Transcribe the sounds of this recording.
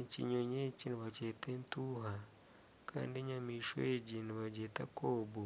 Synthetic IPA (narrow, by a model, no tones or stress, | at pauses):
et͡ʃḭɲoɲet͡ʃiniβat͡ʃetentuɦa | kʰa̰ndiɲamiʃo̰ed͡ʒiniβad͡ʒeta̰koːbu